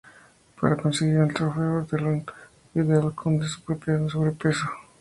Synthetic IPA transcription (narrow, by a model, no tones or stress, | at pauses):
pa̰ɾakonseɣiɾelt̪ɾofeoɾd̪elen | biðalkʰond̪esoβɾepes̬oβɾepeso